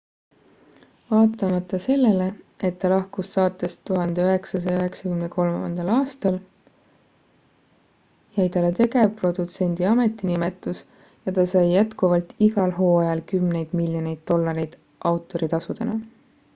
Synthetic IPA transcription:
vɑːt̪ːˑɑmɑt̪ːˑɑse̞lːe̞le̞ | e̞t̪ːɑlɑhkusːɑːt̪ːˑest̪uɦɑnd̪e̞øɦe̞ksɑs̬ɑjɑøɦe̞ksɑkymneko̞lmɑ̰nd̪̥ɑlɑːst̪ɑl | jæjt̪ɑlet̪e̞ɡe̞pro̞d̪̥ut̪se̞nʲd̪̥iɑme̞t̪ːˑinime̞t̪ːˑus | jɑt̪ɑsɑjːæt̪kuvɑlt̪iɡɑlɦo̞ːɑjɑlkymne̞jd̪̥miljo̞ne̞jd̪̥t̪o̞lːɑɾejd̪̥ | ʔɑwt̪ːˑo̞ɾit̪ɑsud̪̥e̞nɑ̰

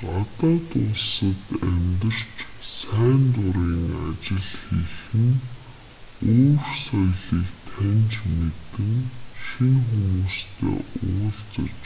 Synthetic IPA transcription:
ɢat̪aːt̪ʊɮsə̆t̪æmʲt̪ə̆r̥t͡ɕsæːnt̪ʊɾiːŋat͡ɕɪ̆ɮxixɘ̆n | oːrsɔjɮiːkt̪ʰænt͡ɕmet̪ɘ̆ŋʃiŋxumuːst̪ʰḛːʊːɮt͡sɞ̆t͡ɕ

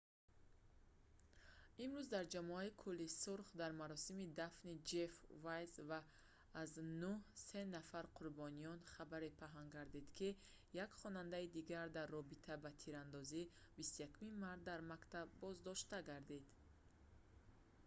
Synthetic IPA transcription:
imɾuzd̪aɾd͡ʒamɔaikʰulːisuɾχd̪aɾmaɾɔsimid̪afnid͡ʒefvajzvaː | znuhse̞nafaɾqʰuɾbɔnijɔnχabaɾipʰaɦaŋɡaɾd̪id̪̥kʰi | jakχɔnand̪aid̪iɡaɾd̪arːɔbit̪ʰabat̪ʰiɾand̪ɔzibist̪ujakʰumimaɾt̪̚d̪aɾmakt̪abːɔzd̪ɔʃt̪aɡaɾd̪id̪̥

